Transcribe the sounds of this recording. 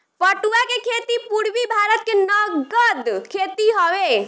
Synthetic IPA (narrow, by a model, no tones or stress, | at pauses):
pəʈuakekʰet̪ipuɽʋibʱaɾət̪̚kenəɡəd̪kʰet̪iɦɔʋe